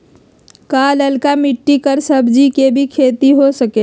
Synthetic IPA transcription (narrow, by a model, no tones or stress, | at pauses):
kaːləlkamɪʈːikəɾsəbʱd͡ʒikebʱikʰeːt̪iɦosəkeː